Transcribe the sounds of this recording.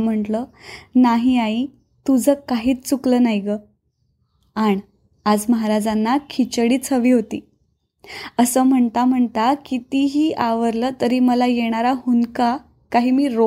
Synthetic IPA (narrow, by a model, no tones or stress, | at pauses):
m̤əɳʈlənaɦiːai | t̪ud͡zʱəkaɦiːt͡st͡suklənajɡə | aɳ | ad͡zməɦaɾad͡zanːakʰit͡ɕəɽiːt͡sʰəʋiːɦot̪ḭː | əsəːm̤əɳt̪am̤əɳt̪akit̪iɦiːʔaʋəɾləːt̪əɾiːməlajeɽ̃aɾaɦunka | kaɦiːmiːɾo